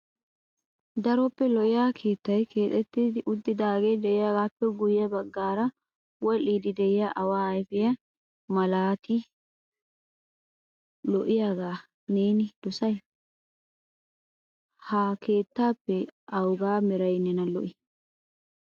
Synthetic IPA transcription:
d̪ɐɾɔpːɛlɔʔɪjaːkʰe̞ːt̪ːɐjkʰe̞ːt̪ʼɛt̪ːɪd̪ɪʔʊd̪ːɪd̪aːɡed̪ɛɪjaːɡaːpːɛɡʊjːɐbɐɡːaːɾɐ | wɔlːiːd̪ɪd̪ɛɪjaʔɐwaːɐjfɪjɐ | mɐlaːt̪ɪ | lɔʔɪjaːɡaː | neːnɪd̪̥ɔsɐj | hɐkʰe̞ːt̪ːaːpːɛʔɐwɡaːmɛɾɐjnɛnɐlɔ̰ʔɪ

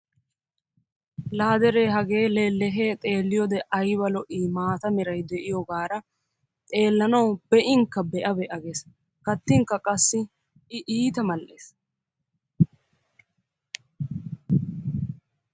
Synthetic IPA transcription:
laːd̪ɛɾeːɦɐɡe̞ːlelɛɦeːt̪ʼe̞ːlːɪjɔd̪ɛʔɐjbɐlɔʔiːmaːt̪ɐmɪɾɐjd̪ɛʔɪjɔɡaːɾɐ | t̪ʼe̞ːlːɐnɐwbɛʔɪŋkːɐbɛʔɐbɛʔɐɡeːs | kɐt̪ːɪŋkːɐkʼɐsːɪ | ɪʔiːt̪ɐmɐlʔeːs

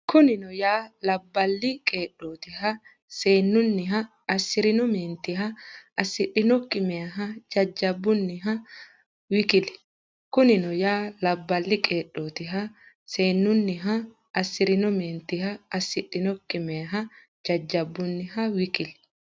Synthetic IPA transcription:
kʰʊnɪnɔjaːlɐbːɐlːɪkʼeːɗːoːt̪ɪhɐ | seːnːʊnːɪɦɐ | ɐsɪɾɪnɔmeːnt̪ɪɦɐɐsːɪᶑːɪnɔkʼːɪmɛɐɦɐd͡ʒɐd͡ʒːɐbːʊnːɪɦɐ | wɪkɪlɛ̥ | kʊnɪnɔjaːlɐbːɐlːɪkʼeːɗːoːt̪ɪɦɐ | seːnːʊnːɪɦɐː | sːɪɾɪnɔmeːnt̪ɪɦɐɐsɪᶑːɪnɔkʼːɪmeɐɦɐ | d͡ʒɐd͡ʒːɐbːʊnːɪhɐwɪkɪl

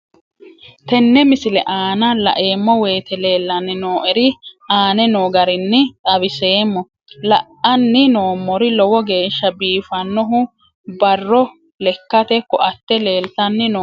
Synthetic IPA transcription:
t̪ɛnːɛmɪsɪlɛʔaːnɐlɐ̰ʔe̞ːmːɔwe̞ːt̪ɛle̞ːlːɐnɪnoːʔɛɾɪʔaːnɛnoːɡɐɾɪnːɪt̪ʼɐbɪseːmːɔ | lɐʔɐnːɪno̞ːmːɔɾɪlɔwɔɡeːʃːɐbiːfɐnːɔɦʊ | bɐrːɔ | lɛkːɐt̪ɛkːɔʔɐt̪ːɛle̞ːlt̪ɐnːɪno

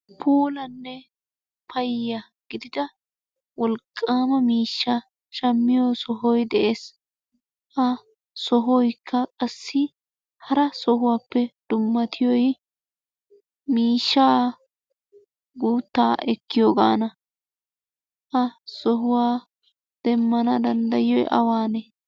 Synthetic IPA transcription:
pʰuːlɐnːɛ | pʰɐjːɐ | ɡ̥ɪd̪ɪd̪ɐ | wɔlkʼːaːmɐmiːʃːa | ʃɐmːɪjosɔɦɔjd̪ɛʔeːs | ʔɐ | sɔɦɔjkʰːɐkʼɐsːɪ | hɐɾɐsɔɦʊwaːpːɛd̪̥ʊmːɐt̪ʰɪjɔj | miːʃːaː | ɡuːt̪ːaːʔɛkːɪjoːɡa̰ːnɐ | ʔɐsɔɦʊwaː | d̪̥ɛmːɐnɐd̪ɐnd̪ɐjjɔjʔɐ̰waːnɛ

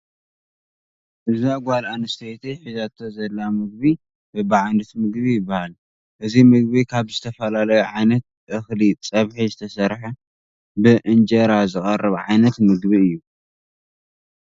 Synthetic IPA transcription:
ʔɨziɡʷalanɨst̪ʰet̪ʰiħizat̪ʰozɐlːamɨɡ̚bi | bɨbaʕand̪ɨt̪mɨɡβijɪbːahal | ʔɨzimɨɡ̚bikʰaβzɨt̪ʰɐfɐlalɐjuʕajnɐt̪̚ | ʔɨxlit͡sʼɐβħizɨt̪ʰɐsɐɾħɐ | bɨʔɨnd͡ʒɐɾazɨχʼɐrːɨβʕa̰jnɐt̪mɨɡbiɨjːu

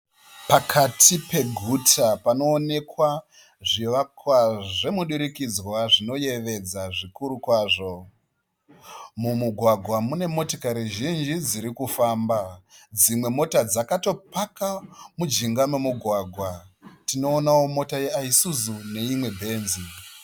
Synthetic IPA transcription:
pakʰatipe̞ɡʱutʰapano̞ːne̞kwa | ʐiʋakwaʐe̞muɗuɾikid͡zwaʐino̞je̞ʋe̞d͡zaʐikuɾukwaːʐo̞ | mumuɡʱwaɡʱwamune̞mo̞tokaɾiʒind͡ʒid͡ziɾikufaːmbad͡zimwe̞mo̞tad͡zakato̞pakamud͡ʒiŋɡamumuɡʱwaɡʱwatino̞ːnawo̞mo̞tajeaisuzune̞imwe̞bʱe̞ːnzi

